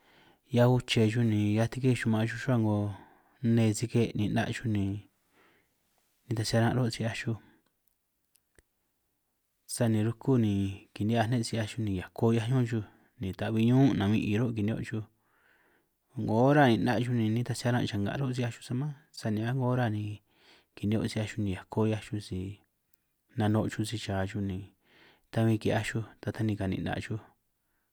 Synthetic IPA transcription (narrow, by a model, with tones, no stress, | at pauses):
ja˧u˧t͡ʃe˧ʒu˧nĩ˨ja˧t̪i˧ke˦˧ʃu˧mã˧ʒu˧ʃu˦a˦˧ŋɡo˧ | nẽ˧t͡si˧ke˧nĩ˧˨na̰˧ʔʃu˧nĩ˨ | nĩ˧t̪a˧si˧a˧ɾã˧ʔɾo˦t͡si˧a˧ʃu˧ | sa˧nĩ˨˧ɾu˧ku˦nĩ˨ki˨nĩ˦a˧nẽ˦˧t͡si˧a˧ʃu˧nĩ˨ja˨kʰo˦˧ja˧ɲõ˦ʒu˧ | nĩ˨t̪a˨βi˧ɲũ˦nã˨βĩ˧ʔi˨˧ɾo˦˧ki˨nĩ˧o̰˧ʔt͡ʃu˧ | ŋɡo˨˦ɾa˦˨nĩ˧˨nã˧ʔt͡ʃu˧nĩ˧nĩ˦t̪a˧si˧˦a˧ɾã˦˧t͡ʃa˧˨ŋɡa̰˨˧ɾo˦s̬i˧˦a˧ʃu̥˧sa˧mã˦sa˧nĩ˧a˦ŋɡo˧˦ɾa˦nĩ˧ | ki˨nĩ˧o̰˧si˧a˧ʃu˧nĩ˧˨a˨kʰo˦ja˧ʃu˧si˧ | nã˧nõ˧ʔt͡ʃu˧si˧t͡ʃaː˨t͡ʃu˧nĩ˨ | t̪a˧βĩ˧ki˨˧˨a˧ʃu˧t̪a˧t̪a˧nĩ˧ka˨nḭ̃˧˨nã̰˧ʔt͡ʃu˦